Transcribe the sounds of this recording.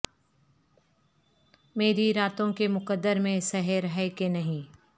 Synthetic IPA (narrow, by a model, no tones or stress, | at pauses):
meːɾiɾaːt̪õkemʊqəd̪ːəɾmẽsɛɦəɾɦɛkenɐɦĩː